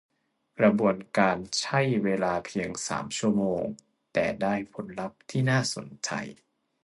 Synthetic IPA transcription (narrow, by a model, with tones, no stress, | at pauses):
kɾa˧bu˧ənkaː˧nt͡ɕʰa˥˩jweː˧laː˧pʰi˧əŋsa̰ː˩˦mt͡ɕʰu˥˩əmoː˧ŋ | t̪ɛː˨˩daː˥˩jpʰo˩˦nla˦˥p̚t̪ʰiː˥˩naː˥˩so̰˩˦nt͡ɕa̰˧j